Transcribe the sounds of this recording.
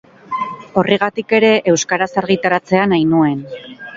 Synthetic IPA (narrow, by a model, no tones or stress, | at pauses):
o̞riɣ̞at̪ike̞ɾe̞ʔe̞wskaɾasaɾɣit̪aɾat͡se̞anajnue̞n